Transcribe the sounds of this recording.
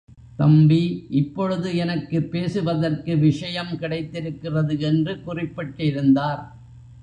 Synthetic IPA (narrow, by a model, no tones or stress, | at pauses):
t̪ɐmbiʔɪpːɔɻɯðɯɛnɐkːɯpːeːsɯʋɐðɐrkɯʋɪʂɐjɐmkɪɽɐɪt̪ːɪɾɯkːɪrɐðɯɛndrɯkʊrɪpːɐʈːɪɾɯnd̪aːɾ